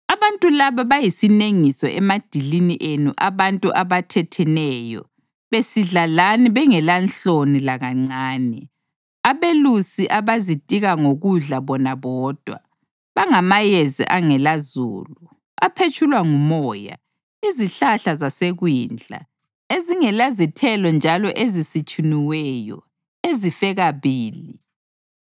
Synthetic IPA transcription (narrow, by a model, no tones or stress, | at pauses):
aβantʼulaβaβajisineŋisɔʔɛmad̥ʱiliniʔenuʔaβantʼuʔaβatʰɛtʰɛnɛːjɔ̰ | βesiɮalaniβɛŋɛlanɬonilaɣaŋ͡ǀaːnɛ | aβelusiʔaβazitʼiɣaŋoɣuɮaβɔnaβɔːd̥ʱwa̰ | βaŋamajezḭʔaŋɛlazṵːlu | a̰pʰet͡ʃʰʼulwaŋumɔːja̰ | iziɬaɬazaseɣwiːnd͡ɮʱa̰ | eziŋɛlazitʰɛlɔnd͡ʒʱalɔʔezisit͡ʃʼʰuniwɛjɔ̰ | ezifɛɣaβiːli